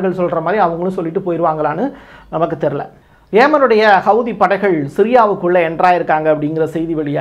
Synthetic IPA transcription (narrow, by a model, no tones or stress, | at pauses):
ɣɐɭsɔlrɐmaːðɾiɐʋɐŋɡɐɭɯ̃sɔlːɪʈːɯpoːjɪɾɯʋaːŋɡɐɭaːnɯnɐmɐkːɯt̪ːɛɾɯlɐ̰ | ʋeːmɐnɯɽɐjɐhɐʊðipːɐɽɐɪɣɐɭsɪɾɪjaːʋɯkːɯɭːɐɛndraːjɪɾɯkːaːŋɡɐɐpːɐɽɪŋɡɪrɐsɛjðiʋɐɭɪjaː